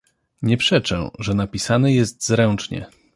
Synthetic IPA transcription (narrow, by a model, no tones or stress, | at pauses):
ɲɛpʂɛt͡ʂɛ̰̃ʐɛnapʲisanɘjɛst̪zɾɛnt͡ʂɲɛ̰